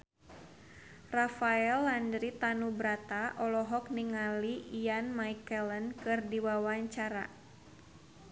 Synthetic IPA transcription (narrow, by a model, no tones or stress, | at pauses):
rafaɛlːandɾit̪anubɾat̪aʔɔlɔɦɔk̚niŋaliijanmaikələnkɨrdiwawaɲt͡ʃaɾa̰